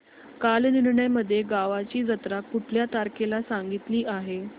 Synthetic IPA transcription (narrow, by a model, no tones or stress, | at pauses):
kalniɾɳəjməd̪ʱːjeɡaʋat͡ɕiːd͡zət̪ɾakuʈʰljat̪aɾkelasaŋɡit̪liːʔaɦe